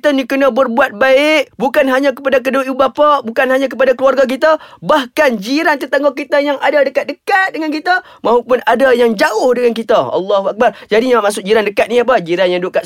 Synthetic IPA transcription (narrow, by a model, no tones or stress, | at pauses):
t̪anikənabərbuat̪̚baɪʔ̚bukanɦaɲãkəpadak̬əduʔibapaʔbukanɦaɲãkəpadakəluarɡak̬it̪abahkand͡ʒiɾant̪ərt̪aŋokit̪ajaŋadadəkat̪̚dəkat̪̚dəŋankit̪a | mãɦupʊnadajaŋd͡ʒaʊhdəŋankit̪aɑ̰lːaɦuak̚bard͡ʒadiɲaamasʊk̚d͡ʒiɾandəkat̪̚niap̬əd͡ʒiɾanjaŋdukat̪